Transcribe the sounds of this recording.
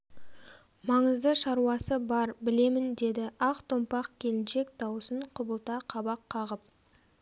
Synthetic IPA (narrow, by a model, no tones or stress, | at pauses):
mɑɴəzd̪əʃɑɾuɑsəbɑɾbɪle̞mɪnd̪e̞d̪ɪʔɑqt̪ʰo̞mpɑqkʲʰe̞lɪnʃe̞k̚d̪ɑwsəɴqʰʊbəlˠt̪ɑqʰɑbɑqʰːɑʁəp̚